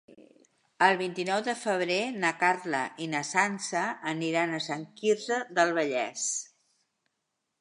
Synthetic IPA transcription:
əlˠβint̪inɔwðəfəβ̞ɾenəkarlə̰ʔinəsansəːniɾanəsəŋkiɾzəðəlˠβəʎɛs

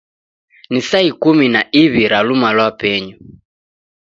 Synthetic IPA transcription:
nisaikuminaʔiβiɾalumalwapɛɲu

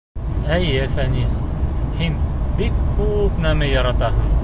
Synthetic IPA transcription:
æjɘfænishinbikkupnæmɘjɑɾɑt̪ɑɦɤɴ

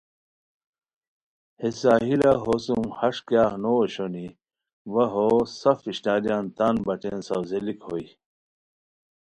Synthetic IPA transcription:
hesaːɦilaɦosumhɐʂkjaːhnoɕoni | ʋɐɦosɐfiɕnaːd̪ijant̪anbɐʈensɐwzelikhoi

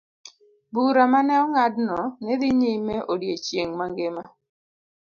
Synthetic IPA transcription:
buɾamanɛɔŋadnɔnɛd̪iɲimeʔodjet͡ʃjeŋmaŋɡɪma

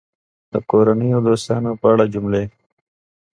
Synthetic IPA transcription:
d̪̥əkoːɾanijod̪oːst̪ɑːnopaːɽad͡ʒumleː

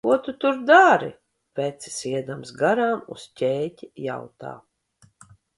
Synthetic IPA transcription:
kuɔt̪ut̪uɾd̪aɾḭ | pʲɛt̪si̥siɛd̪amsɡaɾaːmṵscʲɛːtʲija̰wt̪a̰ː

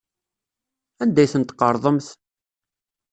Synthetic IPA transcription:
ænd̪æjθənt̪qɑɾˤðˤəmθ

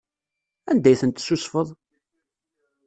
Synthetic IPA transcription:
ænd̪æjθənt̪sːusfəðˤ

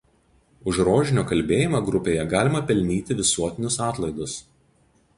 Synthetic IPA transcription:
ʊʃɾoːʒʲɪnʲoːkɐlʲbʲeːjɪmɐɡɾʊpʲeːjɛɡɑːlʲɪmɐpʲɛlʲnʲiːt̪ʲɪʋʲɪsuɔt̪ʲɪnʲʊsɑːt̪lˠɐɪd̪ʊs

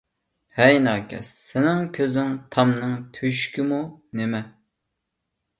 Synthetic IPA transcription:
hɛjnɑːkʲʰɛ̰sːɪnɪŋkʲʰøzɪŋt̪ʰɑmnɨŋt̪ʰyʃkʲimunemɛ

